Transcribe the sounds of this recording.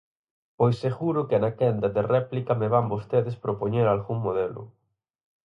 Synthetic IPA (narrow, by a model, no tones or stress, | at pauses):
pojsːeɣuɾʊkenakɛnd̪ɐðerɛplikɐmeβambost̪eðespɾopoɲeɾalɣuŋmoðelʊ̰